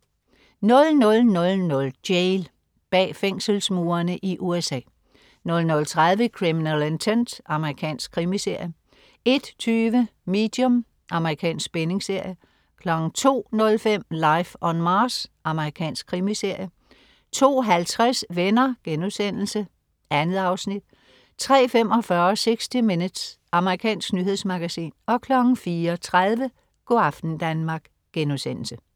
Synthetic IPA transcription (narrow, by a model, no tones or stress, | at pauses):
nɔ̽lnɔ̽lnɔ̽lnɔ̽ld̥jeɪl | b̥ɛ̰ːfeŋ̰səl̩smuːɐnəʔiʔuesɛ̰ː | nɔ̽lnɔ̽lt͡sʰʁað̞ˠʋəkʰʁiminælent͡sʰend̥ɑ̈məʁikʰɛ̰ːnsɡ̥kʰʁimise̝ɐ̰jə | e̝d̥t͡sʰyːʋəme̝̰ːd̥jɔ̽m | ʔɑ̈məʁikʰɛ̰ːnsɡ̥̚b̥ene̝ŋse̝ɐ̰jə | kʰlɒ̽ɡ̥n̩t͡sʰo̝̰ːnɔ̽lfem̰lɑ̈ɪfɒ̽nmɑ̈ːsʔɑ̈məʁikʰɛ̰ːnsɡ̥̚kʰʁimise̝ɐ̰jə | t͡sʰo̝̰ːɦælt͡sʰʁɛsʋenɐɡ̥enuðˠsen̰l̩sə | ʔænð̩ˠɑ̈ʊsnid̥̚ | t͡sʰʁɛ̰ːfem̰ɒ̽fɶɐseɡ̥sd̥ime̝nə̥s | ɑ̈məʁikʰɛ̰ːnsɡ̥nyɦe̝ð̞̰ˠsmɑ̈ɡ̥æsḭːnɒ̽kʰlɒ̽ɡ̥ŋ̩fiːɐt͡sʰʁað̞ˠʋə | ɡ̥o̝ɑ̈fd̥n̩d̥ænmɑ̈ːɡ̥ | ɡ̥enuðˠsen̰l̩sə